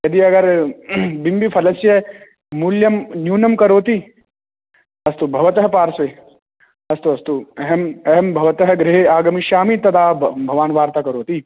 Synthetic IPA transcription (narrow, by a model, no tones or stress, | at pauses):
jɐd̪iɐɡɐɾ | bimbipʰɐlɐsjɐ | muljɐmnjuːnɐmkɐɾoːt̪i | ɐst̪ubʱɐʋɐt̪ɐɦpaːɾse | ɐst̪uɐst̪uɐɦɐmɐɦɐmbʱɐʋɐt̪ɐɦɐɡɾɪɦeaːɡɐmiʃaːmit̪ɐt̪ʰaːbʱɐʋaːnʋaːɾt̪aːkɐɾoːt̪iː